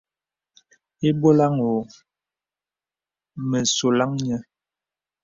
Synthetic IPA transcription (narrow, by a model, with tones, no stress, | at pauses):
e˦bo˦la˦ŋo˨ | mə˨so˨la˦ŋɲɛ˦